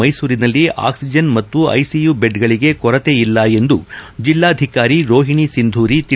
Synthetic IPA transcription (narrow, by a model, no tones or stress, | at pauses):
ɐjsuːɾinɐlːiʔa̰ːksid͡ʒɐnmɐt̪ːuɐ̰jsijubeɖɡɐɭiɡe̞kɔɾɐt̪eilːɐe̞nd̪ud͡ʒilːaːɐd̪ʱikaːɾiɾo̞ːɦiɳisind̪ʱuːɾit̪i